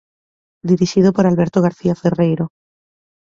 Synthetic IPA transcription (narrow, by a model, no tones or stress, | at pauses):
d̪iɾiʃiðopoɾalβe̞ɾt̪oɣaɾθiaferejɾo